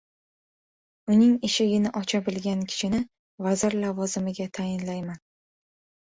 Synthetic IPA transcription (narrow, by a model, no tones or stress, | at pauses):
ʊnɪŋɪʃɪɡʲɪnɪʔɒt͡ʃʰabɪlɡʲankʲʰɪ̥ʃʰɪnɪ | vazɪɾlavɒzɪmɪɡʲat̪ʰajɪnlajman